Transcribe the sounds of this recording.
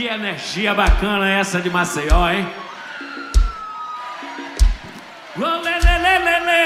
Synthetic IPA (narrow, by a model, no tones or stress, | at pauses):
iɐeneɾʒiɐbakɐ̃nɐɛsɐd͡ʒɪmasejɔẽj | lolelelelele